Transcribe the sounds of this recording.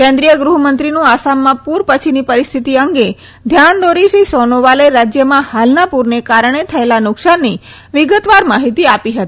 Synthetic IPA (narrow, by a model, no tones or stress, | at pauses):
kɛ̃nd̪ɾijəɡɾuɦmənt̪ɾinũasamːãpuɾpət͡ʃʰinipəɾist̪ʰit̪iəŋɡe | d̪ʱjand̪oɾiʃisonoʋaleɾad͡ʒjəmãhalnapuɾnekaɾəɳ̃et̪ʰəelanʊksanːi | ʋɪɡət̪ʋaɾmaɦit̪iapiɦət̪i